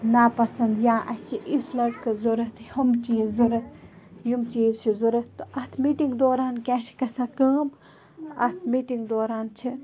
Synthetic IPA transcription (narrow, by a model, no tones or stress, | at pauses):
napɐsɐnd̪jãːʔɐht͡ʃʰiʔit̪ʰlɐɾkɨzoɾɐt̪hɐmt͡ʃizuɾɐjumt͡ʃiːzt͡ʃʰizuɾɐt̪ʔɐht̪ʰmiʈiŋɡd̪oːɾaːnkʲɛːʃi̥kɐsakəːm | ɐht̪ʰmiʈiŋɡd̪oːɾaːnt͡ʃʰi